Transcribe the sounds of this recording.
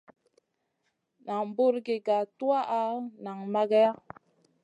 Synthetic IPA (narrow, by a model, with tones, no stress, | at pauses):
na˨ŋbo˦ɾɡe˨ɡa˨tu˦a˦ʔa˦na˨ŋma˦ɡa˦ja˦